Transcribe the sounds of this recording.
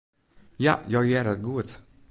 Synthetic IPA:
ja̰jɑːɡjæːɾat̪̚ɡuːt̪

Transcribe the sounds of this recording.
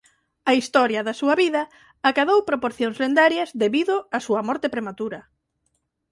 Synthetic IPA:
ɐist̪ɔɾjɐðɐsuɐβiðɐ | akaðowpɾopoɾθjoŋszlend̪aɾjɐzðeβiðʊasuɐmɔɾt̪epɾemat̪uɾɐ

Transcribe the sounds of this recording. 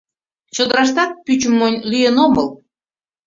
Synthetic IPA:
t͡ɕod̪əɾɑʃ̬t̪ɑt̪̚pyt͡ɕəmːonʲlyjenoməl

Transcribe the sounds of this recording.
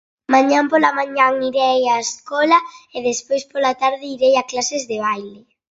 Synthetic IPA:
mãɲãmpolamãɲaŋiɾejaeskɔlaeðespojspolat̪aɾðɪiɾejaklasezðeβ̞ajlɪ

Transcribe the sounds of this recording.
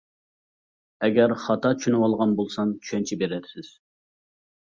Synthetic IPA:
ɛɡʲɛɾχɑt̪ʰɑt͡ʃʰyʃynɪwɑlˠʁɑnbolˠsɑnt͡ʃʰy̥ʃɛnt͡ʃʰibeɾɛd̪ɪsɪz̥

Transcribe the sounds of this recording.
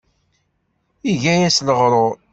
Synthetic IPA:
iʝæjæsləʁɾˤoɾ

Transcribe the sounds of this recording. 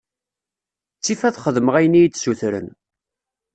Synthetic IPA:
t͡sːifæðχəðməʁæjənijt͡sːsuθɾə̰n

